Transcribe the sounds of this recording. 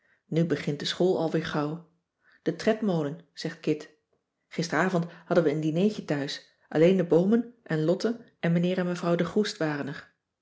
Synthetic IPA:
nybəχɪnt̚dəsχoːlˠɑ̰lˠʋɪːɹχɑw | d̥ətrɛtmowlənz̥ɛχt̚kɪt | χɪstəraːvɔnthɑdənʋəːndinejcətœɥs | ʔɑ̰lejndəbowmənʔɛnlɔtənʔɛnmənɪːɹɛnməvrɑwdəχustʋaːrənəɹ

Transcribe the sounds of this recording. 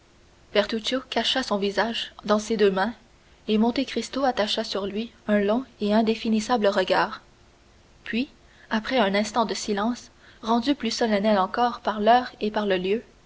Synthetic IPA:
b̥ɛʁt̪ut͡ʃjokaʃasɔ̃vizaʒd̪ɑ̃sed̪øːmɛ̃ | emɔ̃t̪ekχist̪oat̪aʃasyʁlɥiœ̃lɔ̃eɛ̃d̪efinisabləʁəɡʲaːʁ | pʰɥi | apχɛœ̃nɛ̃st̪ɑ̃d̪əsilɑ̃s | ʁɑ̃d̪yplysɔlanɛlɑ̃kɔːʁpaʁlœːʁepaʁləljø

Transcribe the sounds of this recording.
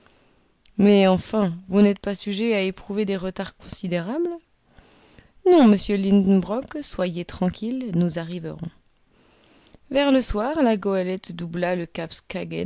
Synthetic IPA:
mɛɑ̃fɛ̃vunɛt̪̚pasyʒeaepχuved̪eʁət̪aʁkɔ̃sid̪eʁabl | nɔ̃məsjølĩnd̪nbʁɔkswajet̪χɑ̃kʲʰilnuzaʁivə̰ʁɔ̰̃ | vɛʁləswaːʁlaɡɔalɛt̪d̪ublaləkapskaɡɛ̰

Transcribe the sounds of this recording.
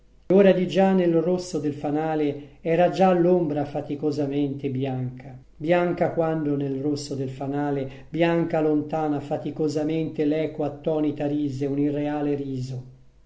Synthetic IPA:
oːɾad̪id͡ʒanːelrosːod̪elfanaːleɛːɾad͡ʒalːombɾafat̪ikozament̪ebjaŋka | bjaŋkakwand̪onelrosːod̪elfanaːle | bjaŋkalont̪aːnafat̪ikozament̪elɛːkoat̪ːɔːnit̪aɾiːzeunirːeaːleɾiːzo

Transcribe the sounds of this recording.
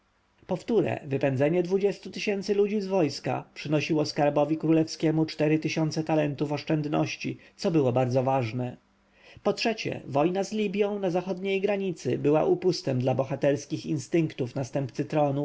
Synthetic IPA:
pɔft̪uɾɛ̰vɘpɛnd̪zɛɲɛd̪vud͡ʑɛst̪ut̪ɘɕɛnt̪sɘlud͡ʑizvɔjska̰pʂɘnɔɕiwɔskaɾbɔvʲikɾulɛfskʲɛmut͡ʂt̪ɛɾɘt̪ɘɕɔnt̪sɛt̪alɛnt̪ufɔʂt͡ʂɛnd̪nɔ̰ɕt͡ɕisɔbɘwɔbaɾd̪zɔvaʐnɛ | pɔtʂɛt͡ɕɛ̰vɔjnazlʲibʲjɔ̃w̃nazaxɔd̪ɲejɡɾaɲit̪sɘbɘwa̰ʔupust̪ɛmd̪labɔxat̪ɛɾskʲixḭnst̪ɘŋkt̪ufnast̪ɛmpt̪sɘt̪ɾɔnu

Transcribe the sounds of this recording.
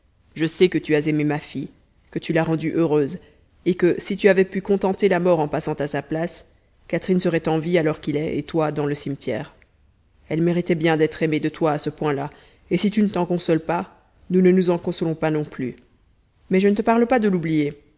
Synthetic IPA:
ʒəsɛkət̪yazememafi | kət̪ylaʁɑ̃d̪yʔøʁøz | ekəsit̪yavɛpykɔ̃t̪ɑ̃t̪elamɔʁɑ̃pasɑ̃t̪asaplas | kat̪χinsəʁɛt̪ɑ̃vialɔʁkilɛʔet̪wad̪ɑ̃ləsimt̪jɛ̰ːʁ | ɛlmeʁit̪ɛbjɛ̃d̪ɛt̪χemed̪ət̪waːsəpwɛ̃la | esit̪ynət̪ɑ̃kɔ̃sɔlpa | nunənuzɑ̃kɔ̃sɔlɔ̃panɔ̃ply | mɛʒənət̪əpaʁləpad̪əlublije

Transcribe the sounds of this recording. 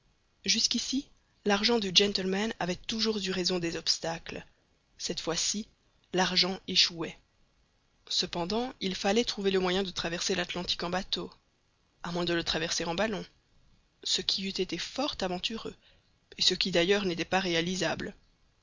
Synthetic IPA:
ʒyskʲisi | laʁʒɑ̃d̪yd͡ʒɛ̃nt̪əlmanavɛt̪uʒuʁzyʁezɔ̃d̪ɛzɔpst̪akl | sɛt̪fwasi | laʁʒɑ̃eʃuɛ | səpɑ̃d̪ɑ̃ilfalɛt̪χuveləmwajɛ̃d̪ət̪χavɛʁselat̪lɑ̃t̪i̥kɑ̃bat̪o | amwɛ̃d̪ələt̪χavɛʁseʁɑ̃balɔ̃ | səkʲʰiyt̪et̪efɔʁt̪avɑ̃t̪yʁø̰ | esəkʲid̪ajœːʁnet̪ɛpaʁealizabl

